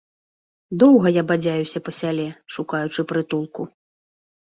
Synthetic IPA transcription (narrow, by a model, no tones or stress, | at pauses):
d̪ɔwɣɐjabad͡zʲajusʲɐpɐsʲalʲɛʂukajut͡ʂɨpɾɨt̪ulˠku